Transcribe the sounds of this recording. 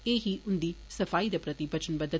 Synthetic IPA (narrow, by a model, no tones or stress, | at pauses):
eːɦiʔund̪isɐfaːjid̪ɐpɾɐt̪ibʱɐt͡ʃɐnbɐd̪ʱːɐ